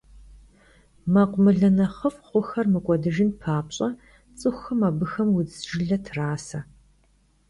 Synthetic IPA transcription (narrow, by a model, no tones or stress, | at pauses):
mɐqʷʊmɨɮɐnɐχəfχʷʊxɐrmɨkʷʼɔdɨʒɪnpʰaːpɕʼɐ | t͡sʼɨxʷɐmɐbɨxɐmwʊd͡zʒɪɮɐtʰraːsɐ